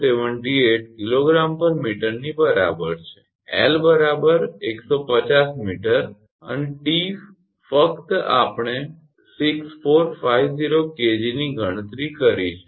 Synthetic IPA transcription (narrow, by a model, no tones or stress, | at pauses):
seʋəɳʈieʈ̚kiloɡɾampəɾmiʈəɾnibəɾa̰bəɾt͡ʃʰe̥ | ɛ̰lbəɾabəɾeksopət͡ʃasmiʈəɾ | ə̰neʈif | fəkt̪a̰pɳ̃e | siksfoɾfajʋziɾoked͡ʒiniɡʱəɽ̃ət̪ɾikəɾiʃe